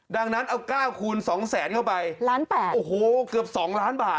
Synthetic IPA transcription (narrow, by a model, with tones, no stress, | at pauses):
da˧ŋna˦˥nʔa˧wkaː˥˩wkʰuː˧nsɔː˩˦ŋsɛː˩˦nkʰa˥˩wpa˧jlaː˦˥npɛː˨˩ʔoː˨˩hoː˨˩kɯ˨˩əp̚sɔː˩˦ŋlaː˦˥nbaː˨˩t